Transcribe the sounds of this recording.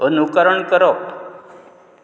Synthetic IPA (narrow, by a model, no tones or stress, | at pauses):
ənukəɾəɳkəɾo